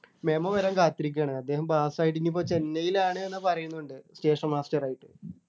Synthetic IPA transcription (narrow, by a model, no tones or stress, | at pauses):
meːmɐʋɐɾaːmkaːt̪ːiɾik̬ʲːaːɳɨɐd̪ːe̞ːɦɐmpaːsaːjiʈ̬ːinːip̬ːoːt͡ɕe̞nːɐjilaːɳɨenːɨpɐrɐjunːuɳɖɨste̞ːʂɐnmaːstɐraːjiʈːɨ